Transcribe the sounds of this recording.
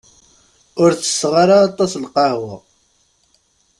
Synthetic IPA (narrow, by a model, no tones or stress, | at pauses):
ʊɾt͡sːə̥sːʁaɾaːt̪ˤɑslqɑhwɪ